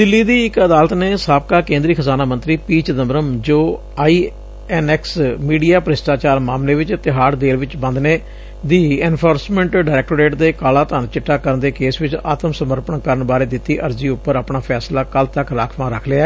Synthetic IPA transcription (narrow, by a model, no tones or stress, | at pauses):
d̪ɪlːiːd̪iːɪkəd̪aːlət̪neːsaːb̚kaːkẽːnd̪ɾiːkʰəzaːnaːmə̃nt̪ɾiːpiːt͡ʃd̪əmɾəmd͡ʒoː | aːiː | ɛːnɛːksmiːɖijaːpəɾɪsʈaːt͡ʃaːɾmaːmleːʋɪt͡ʃət̪ːɪɦaːɾd̪eːlʋɪt͡ʃbə̃nd̪neː | d̪iːɛːnpʰoːɾsmɛ̃ːɳʈɖaːɾɛːk̚ʈoɾeːʈd̪eːkaːlãːt̪ənt͡ʃɪʈːaːkəɾənd̪eːkeːsʋɪt͡ʃa̰ːt̪əmsəməɾpənkəɾənbaːɾeːd̪ɪt̪ːiːʔəɾziːʊpːəɾaːpɳaːpʰɛːslaːkəlt̪əkɾaːkʰʋãːɾəkʰlea